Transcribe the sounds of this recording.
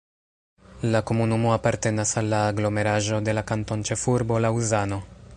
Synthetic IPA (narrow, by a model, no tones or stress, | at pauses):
lako̞munumo̞apaɾte̞nasalːaːɡlo̞me̞ɾaʒo̞de̞lakanto̞nt͡ʃe̞fuɾbo̞lauzano̞